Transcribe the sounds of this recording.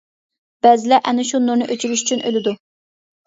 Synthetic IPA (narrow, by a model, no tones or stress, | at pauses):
b̥ɛzɪlɛʔɛnɪʃunːuɾnɨʔøt͡ʃilyʃy̥t͡ʃʰynʔølɪd̪u